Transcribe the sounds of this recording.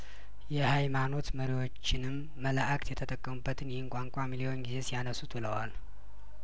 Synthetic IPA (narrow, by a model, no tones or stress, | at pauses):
jɛhajmano̞t̪məɾiwo̞t͡ʃːɪnɨmːələʔakʼt̪jɛt̪ʰət̪ʼəkʼːəmubːət̪ʰɨnjɛhɪnkʷʼaŋkʷʼamilijo̞nɡize̞sijanəsut̪ʰləwal